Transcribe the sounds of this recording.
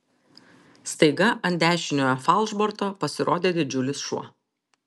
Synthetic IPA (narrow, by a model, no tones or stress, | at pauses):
st̪ɐɪɡɐʔɐnʲˑd̪ʲæːʃʲɪnʲoːjofɐlˠʒbɔɾt̪oːpɐsʲɪɾʔoːd̪ʲeːd̪ʲɪd͡ʒʲʊlʲɪsʃuɔ